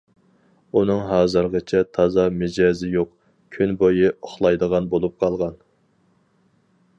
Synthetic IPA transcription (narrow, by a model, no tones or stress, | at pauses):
unɨŋɦɑːzɨɾʁət͡ʃʰɛt̪ʰɑzɑmɪd͡ʒɑːzɪjoq | kʲʰynbojɨʔoχlˠɑjd̪əʁɑnbolˠup̚qʰɑlˠʁɑn